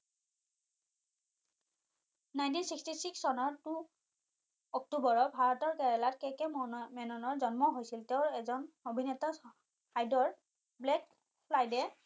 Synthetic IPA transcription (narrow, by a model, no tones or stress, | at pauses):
najntinsikstisiksɔnɔɹtu | ɔk̚tubɔɹɔbʱaɹɔtɔɹkɛɹɛlatkɛkɛmɛnɔnɔɹzɔnmɔɦojsilteʊɹɛzɔnobʱinɛta | kajdɔɹ | blɛk̚ | pʰlajdɛ